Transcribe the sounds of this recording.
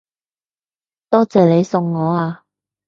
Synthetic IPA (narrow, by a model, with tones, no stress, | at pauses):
t̪ɔː˥t͡sɛː˨˩le˨˧jsʊ˨ŋːɔː˨˧aː˧